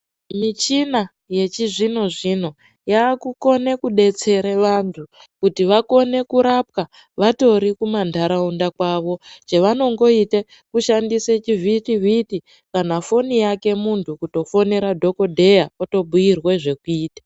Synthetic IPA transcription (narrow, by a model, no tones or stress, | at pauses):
mit͡ʃina | je̞t͡ʃiʐino̞ʐin̤o̞ | jaːkuko̞ne̞kuɗe̞t͡se̞ɾeʋantʰu | kutiʋako̞ne̞kuɾap̚ka | ʋato̞ɾikumandʱaɾaundakwaʋo̞t͡ʃeʋano̞ŋɡo̞ite | kuʃandiset͡ʃivʱitiviti | kanafo̞nijake̞muntʰukuto̞fo̞ne̞ɾadʱo̞ko̞dʱe̞jaoto̞ɓujirwe̞ʐe̞kuiːtḁ